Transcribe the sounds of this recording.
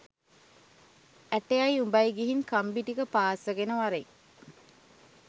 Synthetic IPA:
æʈejajumbajɡiɦinkambiʈikəpaːsəɡenəʋaɾeŋ

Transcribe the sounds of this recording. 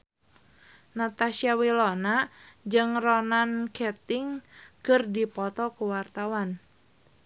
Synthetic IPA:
nat̪asiawilonad͡ʒɨŋrɔnankɛt̪ɪŋkɨrdipɔt̪ɔkuwart̪awan

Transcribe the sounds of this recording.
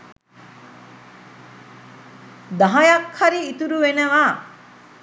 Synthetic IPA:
d̪aɦɐjɐkʰhɐɾiːt̪uɾuʋenəʋaː

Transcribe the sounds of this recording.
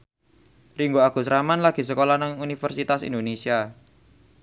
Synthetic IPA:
riŋɡoaɡ̥ṳsɾamanlaɡ̥i̤səkolanaŋunifərsit̪asḭnd̪onesia

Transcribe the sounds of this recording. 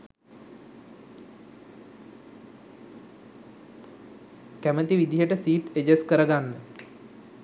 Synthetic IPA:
kæmət̪iʋid̪iɦəʈəsiːʈed͡ʒeskəɾəɡanːə

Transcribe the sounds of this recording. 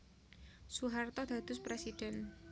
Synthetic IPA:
suɦart̪ɔd̪̥a̤d̪̥ʊspɾɛsid̥ɛn

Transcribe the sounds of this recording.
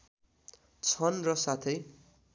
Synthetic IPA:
t͡sʰʌnrʌsat̪ʰʌj

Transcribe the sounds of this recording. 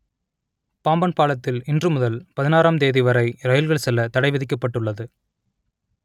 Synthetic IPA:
paːmbɐnpaːlɐt̪ːɪlɪndrɯmʊðɐlpɐðɪnaːɾaːmd̪eːðɪʋɐɾɐɪɾɐjɪlɣɐɭsɛlːɐt̪ɐɽɐɪʋɪðɪk̬ːɐpːɐʈːɯɭːɐðɯ

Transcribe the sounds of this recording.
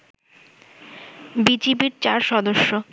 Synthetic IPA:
bid͡ʑibiɾt͡ɕaɾʃɔd̪oʃːo

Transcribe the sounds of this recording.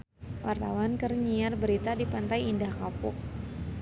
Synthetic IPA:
wʔart̪awankərɲiarbəɾit̪adipant̪ajindahkapʊk̚

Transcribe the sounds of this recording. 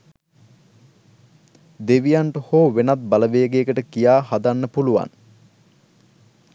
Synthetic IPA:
d̪eʋijaɳʈəhoːʋenat̪̚baləʋeːɡeːkəʈəkijaːɦad̪anːəpuluʋa̰n

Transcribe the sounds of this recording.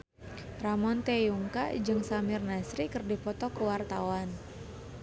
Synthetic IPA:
ramɔnt̪ɛjuŋka̰d͡ʒɨŋsamirnasɾikərdifɔt̪ɔkəwart̪awan

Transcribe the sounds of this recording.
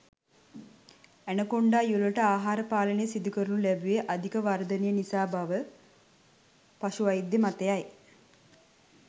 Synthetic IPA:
ænəkoɳɖaːjuluʈəaːɦaːɾəpaːlənejəsid̪ukəɾunulæbuʋeʔad̪ʱikəʋaɾd̪ənijənisaːbaʋə | pasuʋajid̪ːemat̪ejaj

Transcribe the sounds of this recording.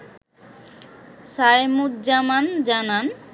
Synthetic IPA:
sajmut̪d͡ʑamand͡ʑanan

